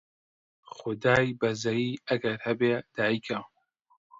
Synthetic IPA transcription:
xʊd̪aːjbɐzɐjiːɐɡɐɾhɐbeːd̪̥aːjikʰa

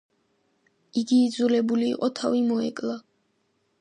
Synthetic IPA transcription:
iɡiːd̪zulɛbulḭːqʼɔt̪ʰavimɔɛ̰kʼlˠa

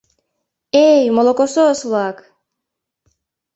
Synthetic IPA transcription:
ejmolˠokososvlˠak

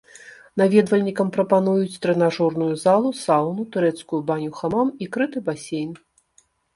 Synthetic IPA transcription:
navʲɛd̪vɐlʲnʲikɐmpɾɐpanujut͡sʲt̪ɾɛnaʐɔrnujuzalˠusawnut̪uɾɛt̪skujubanʲuxamamikɾɨt̪ɨbasʲejn

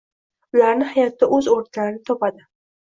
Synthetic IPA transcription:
ʊlaɾnɪhajat̪ːaʔɵzoɾt̪ʰaɾɪnɪt̪ʰɒpad̪ɪ

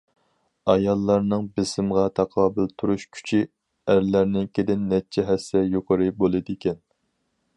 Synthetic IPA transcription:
ɑjɑlˠːɑɾnɨŋbɪsɪmʁɑt̪ʰɑqʰɑːbɪlt̪ʰuɾuʃkʲʰy̥t͡ʃʰi | æɾlæɾnɪnkʲed̪ɪnːɛt͡ʃʰɛɦɛsːɛjoqʰəɾɨbolˠɨd̪ɪkʲɛn

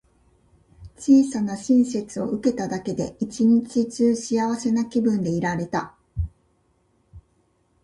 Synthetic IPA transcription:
t͡ɕiːsanaɕĩɰ̃s̬e̞t͡sɨo̞ɯ̟ke̞t̪ad̪ake̞d̪e̞̰ʔit͡ɕiɲ̟it͡ɕit͡ɕɨːɕiaβase̞nakʲibɯ̟̃nd̪e̞iɾaɾe̞t̪a

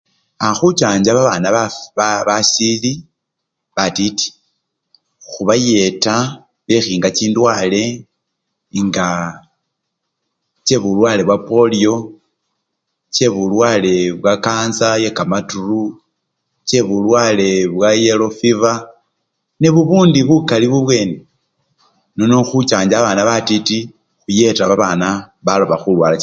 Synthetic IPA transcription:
axut͡ʃaːɲd͡ʒaβaβaːnaβaββasili | βatiti̥ | xuβaje̞ta | βexiːŋɡat͡ʃiːndwaːle̞ | ŋɡa | t͡ʃe̞βulwaːle̞βwapo̞lio̞ | t͡ʃe̞βulwaːle̞βwakaːnzaje̞kamaturu | t͡ʃe̞βulwale̞βwaje̞lo̞fiva | ne̞βuβuːndiβukaliβuβwe̞ːne | nonoxut͡ʃaːɲd͡ʒaβaːnaβatiti | xuje̞taβaβana | βalo̞βaxulwaːla

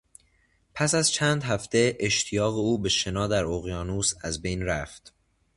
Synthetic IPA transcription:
pʰæsæzt͡ʃʰænd̪ɦæft̪e̞ʔeʃt̪ʰijɒːɣe̞uːbe̞ʃe̞nɒːd̪æɾoɣjɒːnuːsæzbe̞jnɾæft̪

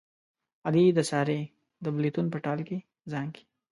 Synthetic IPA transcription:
ad̪id̪əsɑːɾe | d̪əblit̪unpəʈɑlke | zɑŋki̥

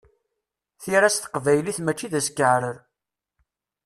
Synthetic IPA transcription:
θiɾæsθə̥qvæjliθmæt͡ʃːiðæskːəʕɾəɾ

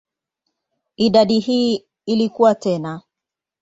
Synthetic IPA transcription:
iɗaɗihiː | ilikuwatɛna

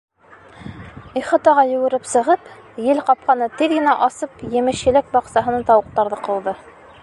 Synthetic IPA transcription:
iχɑt̪ɑʁɑjɵ̆ɡɘ̆ɾɘpsɤ̆ʁɤp | jɘlqɑp̚qɑnɤt̪iðɡɘ̆næʔɑsɤpjɘ̆mɘ̆ɕɘ̆lɘk̚bɑqsɑɦɤ̆nɤnt̪ɑwɤ̆q̚t̪ɑɾðɤqɤ̆lˠd̪ɤ

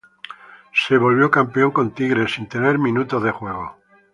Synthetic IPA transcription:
se̞β̞o̞lβ̞jo̞kampeo̞ŋkõ̞nt̪iɣɾe̞sint̪e̞ne̞ɾmĩnut̪oðe̞xwe̞ɣ̞o̞

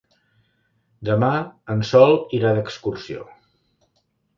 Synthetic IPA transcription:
d̪əmaənsɔlˠiɾaðəkskursio̰

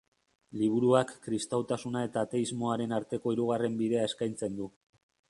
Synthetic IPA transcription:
liβ̞uɾuakːɾist̪awt̪asunae̞t̪aːt̪e̞izmo̞aɾe̞naɾt̪e̞ko̞iɾuɣ̞are̞mbiðe̞ae̞skajnt͡se̞nd̪u

